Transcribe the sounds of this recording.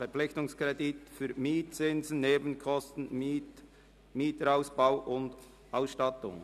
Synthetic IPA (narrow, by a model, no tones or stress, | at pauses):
fɛɾpp͡flɪçtʊŋskɾɛditfyːɾmiːt̚t͡sɪnzn̩neːbən̩kʰɔstn̩ | miːtəɾaʊsb̥aʊʔʊnd̪ | aʊsʃtɑtʊ̰ŋ